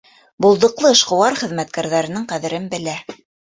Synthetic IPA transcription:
bŭlˠd̪ɤ̆qlˠɤɤ̆ʃqɤ̆wɑɾχɘ̆ðmæt̪̚kæɾðæɾɘ̆nɘŋqæðɘ̆ɾɘnbɘ̆læ

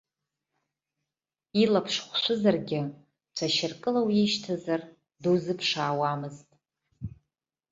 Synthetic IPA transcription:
ilapʰʂχʷʃʷɨzarɡʲɪ | t͡ʃʷʰaʃɪrkʼɨlawiʃtʰazar | duzɨpʰʂaːwamɨztʼ

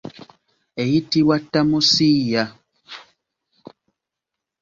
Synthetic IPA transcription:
ejitiwatamusija

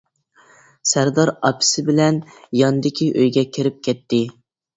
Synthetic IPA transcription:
sæɾd̪ɑɾɑpʰɪ̥sɪbɪlɛnjɑnɨd̪ɪkʲʰiʔøjɡʲɛkʲʰɪɾɪp̚kʲʰɛt̪ʰːɪ

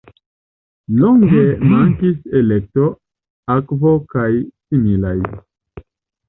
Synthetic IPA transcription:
loŋɡe̞maŋkise̞le̞k̚to̞ | akvokajsimilaj

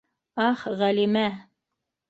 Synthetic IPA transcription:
ɑχʁælimæ

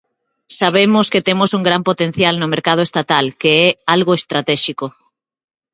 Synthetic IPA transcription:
saβemʊsket̪emosuŋɡɾampot̪ẽn̟θjalnʊmeɾkað̞oest̪at̪alkeɛalɣoest̪ɾat̪ɛʃiko

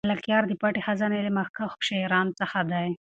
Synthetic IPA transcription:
lakjɑɾd̪əpaʈexazanelemaxkaxʃaɾɑnt͡səxad̪aj

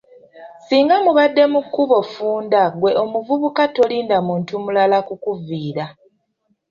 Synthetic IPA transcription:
siːŋɡamuβadːe̞mukːuβo̞fuːndaɡwe̞ʔo̞muvuβukato̞liːndamuːntumulalakukuviːɾa

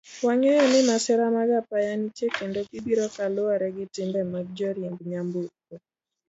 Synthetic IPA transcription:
waɲɔjɔnɪmasɛɾamaɡapajanit͡ʃekendokibiɾɔkalʊaɾɛɡɪtɪmbɛmaɡ̚d͡ʒɔɾjembɲambukɔ

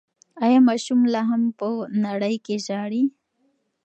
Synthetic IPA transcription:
ajamaʃumlaɦampənaɽəjkeʑaːɽi

